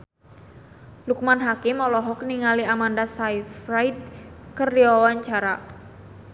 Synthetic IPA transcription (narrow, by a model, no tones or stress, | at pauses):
luk̚manɦakimɔlɔɦɔk̚niŋaliamandasajfrajt̪̚kərdiawaɲt͡ʃaɾa